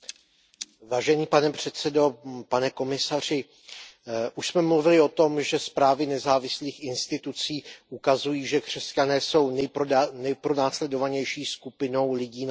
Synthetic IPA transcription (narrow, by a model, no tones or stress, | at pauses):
vaːʒɛniːpanɛpr̝̥ɛt̪t͡sɛdo̞panɛko̞mɪsar̝ɪ | ʔuʃsmɛmluvɪlɪo̞t̪o̞mʒɛspɾaːvɪnɛzaːvɪsliːxʔɪnst̪ɪt̪ut͡siːʔukazujiːʒɛkr̝̥ɛscanɛːso̞wnɛjnɛjpɾonaːslɛdo̞vaɲɛjʃiːskupɪno̞wlɪɟiː